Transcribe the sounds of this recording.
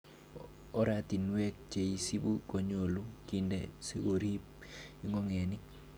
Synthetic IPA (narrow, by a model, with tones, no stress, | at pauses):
ɔ˦ɾati˨nwɛ˦k̚t͡ʃe˨i˦si˦bu˦ko˨ɲo˨lu˦ki˨ndḛ˨se˦ɡo˨ɾi˦p̚i˦ŋɔ˦ŋɛ˨ni˦